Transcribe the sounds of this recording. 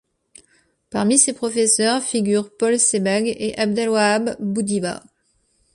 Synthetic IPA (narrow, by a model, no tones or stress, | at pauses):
paʁmisepχɔfesœʁfiɡʲyʁpɔlsebaɡeʔab̚d̪ɛlwaːbːud̪iba̰